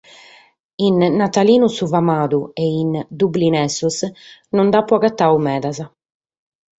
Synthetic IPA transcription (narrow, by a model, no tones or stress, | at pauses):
inːat̪aliːnusuvamaːd̪uɛind̪ublinɛsɔsnɔnd̪apːɔɣat̪ːaːumɛːðaza